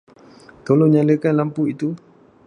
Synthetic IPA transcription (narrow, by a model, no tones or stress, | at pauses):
t̪oloɲaləkanlampuit̪u